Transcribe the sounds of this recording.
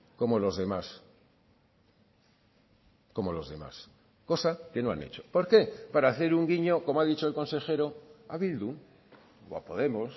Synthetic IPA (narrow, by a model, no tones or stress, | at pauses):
ko̞mo̞lo̞zðe̞mas | ko̞mo̞lo̞zðe̞ma̰s | ko̞sake̞no̞a̰nḛt͡ʃo̥poɾke̞paɾaːθe̞ɾuŋɡiɲo̞ko̞moaðit͡ʃo̞elko̞nse̞xe̞ɾoaβild̪uŋ | oa̰po̞ðe̞mo̞s